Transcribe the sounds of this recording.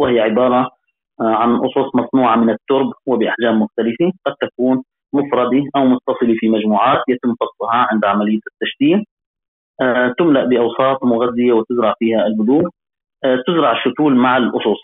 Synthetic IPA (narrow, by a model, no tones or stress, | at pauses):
wɪhɪjːaʕɪbɑːɾˤɑ | ʕanʔʊsˤusˤmɑsˤnuːʕamɪnɪt̪ːʊɾbwɪbɪʔaħd͡ʒaːmːʊxt̪alɪfiqɑd̪̚t̪akuːn | mʊfɾˤɑd̪iʔawmʊt̪ːɑsˤɨlifimad͡ʒmuːʕaːt̪jat̪ɪmːfɑsˤlɑhɑʕɪnd̪ʕamalɪjːat̪ːaʃt̪iːʔ | t̪ʊmlaʔbɪʔɑwsˤɑːt̪ˤmʊɣazːɪjawɪt̪ɪzɾɑʕfiːhaɪlhʊd̪uːʔ | t̪ɪzɾɑʕɪʃːʊt̪uːlmaʕɪlʔʊ̰sˤʊsˤ